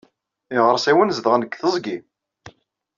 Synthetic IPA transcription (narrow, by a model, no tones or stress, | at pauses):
iʁəɾˤsæwənzəðʁnəɡθəzˤɡi